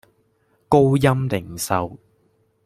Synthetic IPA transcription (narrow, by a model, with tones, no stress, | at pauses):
ko˥wjɐ˥mlɪ˨˩ŋsɐ˨w